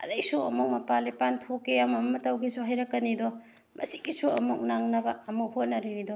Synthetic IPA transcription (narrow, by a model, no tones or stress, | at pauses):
ɐ̰dɐjsuɐmuk̚mɐpalipantʰokːeɐmɐmɐtɐwɡisuɦajɾɐkːɐnidɔ | mʔɐ̰siɡisuɐ̰muk̚naŋnɐbɐɐmuhot̚nɐɾiɾidɔ